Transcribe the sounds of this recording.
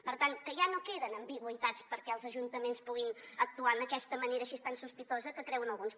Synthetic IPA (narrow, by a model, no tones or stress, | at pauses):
pəɾt̪aŋkəʒanokeðənəmbiɣwəit̪at͡spəɾkɛəlˠzəʒunt̪əmenspuɣinək̚t̪uanəkɛst̪əməneɾəːʃist̪ansuspit̪ozəkəkɾɛwənəlˠɣuns